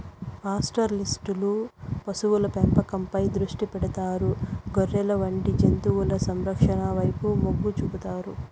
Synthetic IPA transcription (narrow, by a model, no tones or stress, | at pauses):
paːsʈɐɾlisʈulupɐsuwulɐpɛmpɐkɐmpɐjd̪ɾuʂʈipɛɽɐt̪aːɾuɡoɾːɛlɐʋɐɳɖid͡ʒent̪uwulɐsɐmɾɐkʂɐɳɐʋɐjpumoɡːut͡ʃupɐt̪aːɾu